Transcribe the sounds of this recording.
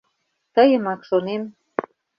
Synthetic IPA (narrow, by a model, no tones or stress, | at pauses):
t̪əjə̆mɑkʃonem